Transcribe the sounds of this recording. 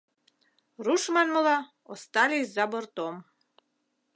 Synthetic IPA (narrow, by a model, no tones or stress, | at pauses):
ɾuʃmanməlˠa | ɔst̪alʲizabɔɾt̪ɔm